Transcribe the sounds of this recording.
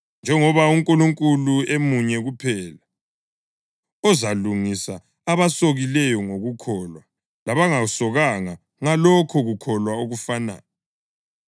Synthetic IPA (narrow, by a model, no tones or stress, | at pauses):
nd͡ʒʱɛŋɔβauŋkʼuluŋkʼuluemuɲɛɣupʰɛːla | ɔzaluŋisa | aβasoɣilɛjɔŋoɣukʰɔːlwa | laβaŋausɔɣaŋa | ŋalɔkʰɔɣukʰɔlwaoɣufana̰ːnɛ